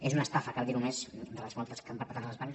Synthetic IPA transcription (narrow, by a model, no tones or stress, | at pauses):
ezunəst̪afəkald̪iɾumezd̪ələzmɔlˠt̪əskampəɾpət̪at̪ləzβanəs